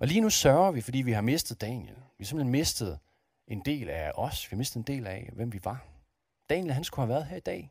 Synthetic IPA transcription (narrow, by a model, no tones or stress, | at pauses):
ʔɒ̽liːnusɶɐʊɐʋifɒ̽d̥ḭːʋiɦɑ̈me̝sd̥ð̞̩ˠd̥ɛ̰ːnjelʋiɑsem̥l̩henme̝sd̥ð̞̩ˠ | e̝nd̥e̝̰ːlæɒ̽sʋihɑme̝sd̥ð̩ˠe̝nd̥e̝̰ːlæʋem̰ʋiʋɑ̈ | d̥ɛːnjəlɦænsɡ̥uhæʋæːɐð̞̩ˠɦeɐ̰id̥ɛ̰ː